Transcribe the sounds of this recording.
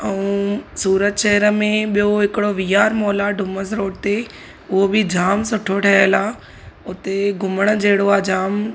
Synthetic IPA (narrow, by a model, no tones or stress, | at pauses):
ɛ̃ũsuːɾət̪ʃɛɦəɾəmẽɓijoɦɪkɪɽoʋijaːɾmoːlaɖʱʊməsɾoːɖt̪e | ʊɦobɪd͡ʑaːmsʊʈʰoʈʰɐɦəlaː | ʊt̪eɡʊməɽ̃ə̆d͡ʑɐɦɪɽoaːd͡ʑaːm